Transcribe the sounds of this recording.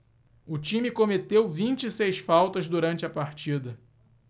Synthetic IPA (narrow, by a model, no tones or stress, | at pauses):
ʊt͡ʃĩmɪkomet̪ewvĩnt͡ʃɪisejsfawt̪ɐzd̪uɾɐ̃nt͡ʃɪɐpaɾt͡ʃid̪ɐ